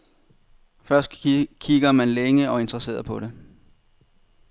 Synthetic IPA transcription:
fɶɐsd̥kʰiɡ̥ɐmænleŋəɒ̽e̝nd̥ʁɐse̝̰ːɐpʰɒ̽ɾe̝

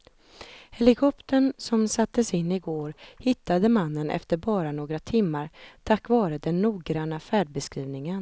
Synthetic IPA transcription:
hɛlɪkʰɔpt̪əɳsɔmsat̪ːəsɪnːɪɡoːɾhɪt̪ːad̪əmanːənʔɛ̰ft̪əɾbɑːɾanoːɡɾat̪ʰɪmːaɾt̪ʰakːvɑːɾəd̪ɛnːuːɡɾanːafæːɖ̚bɛskɾiːvnɪŋən

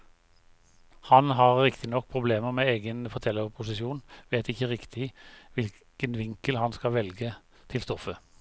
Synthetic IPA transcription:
hɑnɦɑʁːɪkt̪ʰɪnɔk̚ːpʰʁʊbleːməʁmeːeːɡənfɔt̪ʰɛlːəʁpʰʊsɪsuːnʋeːt̪ɪçəʁɪkt̪ʰɪʋɪl | kənʋɪŋkəlhɑnskɑʋɛlɡə | t̪ʰɪlst̪ɔfə

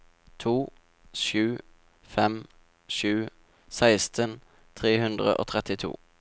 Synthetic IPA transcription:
t̪ʰuː | ʃʉː | fɛm | ʃʉː | sæɪst̪ʰən | t̪ʰʁeːhʉnd̪ʁə̰ʔo̰ːt̪ʰʁɛt̪ɪt̪ʰṵː

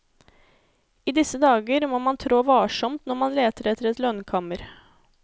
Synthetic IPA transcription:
iːd̪ɪsəd̪ɑːɡəɾmoːmɑnt̪ʰɾoːʋɑːʂɔmt̪nɔɾmɑnleːt̪əɾɛt̪ʰːəɾɛt̪lœnkʰɑməɾ

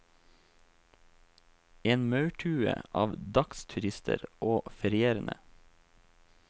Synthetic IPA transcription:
eːnmɑʉʈʰʉːə̰ʔɑːʋd̪ɑkst̪ʰʉɾɪst̪ʰə̰ɾʔoːfɛɾɪeːɾənʔə̰

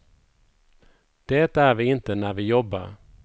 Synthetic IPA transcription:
d̪̥eːt̪æɾvɪɪnt̪ənæɾvɪjɔbːa̰ɾ

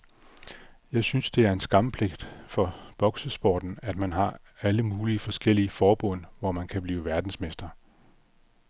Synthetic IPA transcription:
jɑ̈ɪsynsd̥e̝æɐe̝nsɡ̥ɑ̈mpʰle̝ɡ̥d̥fɒ̽b̥ɒ̽ɡ̥səsb̥ɒ̰ːd̥n̩æd̥mænɦɑ̈ | æləmuːliəfɒ̽sɡ̥el̰iəfɒːb̥ɔ̽n̰ʋɒmænkʰæb̥liːʋæɐd̥n̩smesd̥ɐ

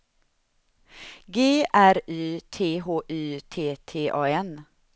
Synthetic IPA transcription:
ɡeːʔæɾyːt̪ʰeːɦoːʔyːt̪ʰeːt̪ʰeːʔɑːɛn

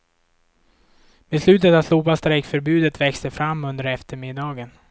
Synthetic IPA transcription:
bɛslʉ̟ːt̪ət̪avsluːpast̪ɾɛkfœɾbʉ̟ːd̪ət̪vɛkst̪əfɾamːɵnd̪əɾɛft̪əɾmɪd̪ɑːɡən

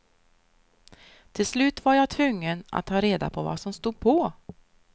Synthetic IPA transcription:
t̪ʰɪlslʉ̟ːt̪vaɾjat̪ʰvɵŋːəna̰t̪ʰːɑːɾeːd̪a̰pʰɔva̰sɔmst̪uːd̪̚pʰɔ

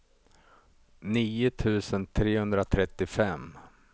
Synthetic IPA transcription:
niːʊt̪ʰʉ̟ːsənt̪ʰɾeːhɵnd̪ɾat̪ʰɾɛt̪ːɪfɛm

